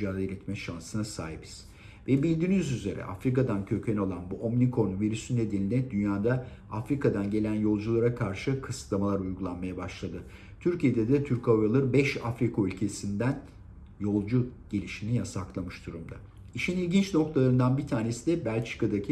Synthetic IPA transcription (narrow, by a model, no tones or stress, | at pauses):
aːd̪elʲɛt̪mɛʃansɯnasa̰ːɦibiz̥ | vɛbilʲd̪iːnyzyze̞ɾɛ̰ʔa̰fɾikad̪ancʰø̞cʰɛno̞lˠanbuʔomnikʰo̞nuviɾysynːe̞d̪eninʲɛd̪ynjaːd̪aafɾikad̪anɟe̞lʲænjo̞lˠd͡ʒulˠaɾakʰaɾʃɯkʰɯslˠamalˠaɾujɡulˠanmajabaʃlˠad̪ɯ | t̪ʰyɾcijed̪ɛd̪ɛt̪ʰyɾkaujalˠɯɾbɛʃafɾikʰaylʲcʰe̞sind̪æn | jo̞lˠd͡ʒuɟ̥elʲiʃinijasaklˠamɯʃd̪uɾumd̪a | iʃinilʲɟint͡ʃno̞k̚t̪ʰalˠaɾɯnd̪anbit̪ʰaːne̞sid̪ɛbælʲt͡ʃkad̪acʰi